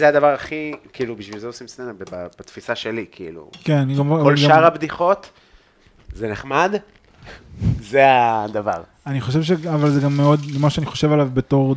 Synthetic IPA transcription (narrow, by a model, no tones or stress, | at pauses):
zeadavaʁaχikiilubiʃvilzeosimsnenabebab̥at̪fisaʃelikʰiḭlṵkenaniɡamolɡʃaaʁabd̪iχo̞t̪ | zeneχmad̪ | zead̪ava̰ʁ | aniχo̞ʃ̬evʃ̬eavalzeɡamːeo̞d̪lemaʃeaniχo̞ʃe̞valavbe̞to̞ʁ